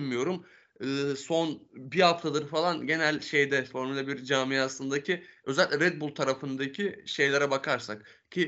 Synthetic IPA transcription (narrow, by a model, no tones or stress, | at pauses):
nmijo̞ɾum | ɯːso̞nbihaft̪ʰad̪ɯɾfalˠanɟe̞nælʲʃe̞jd̪ɛfo̞ɾmlʲɛbiɾd͡ʒaːmijasˠɯnd̪acʰiø̞zɛlʲicʲɛɾɛd̪̚bulˠt̪ʰaɾafɯnd̪acʰiʃe̞jlʲeɾabakʰaɾsak | cʰi